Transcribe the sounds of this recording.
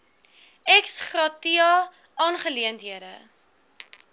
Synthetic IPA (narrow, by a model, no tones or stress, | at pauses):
ɛksχrɑtiɑ | ɑːnχəliəntɦiəɾə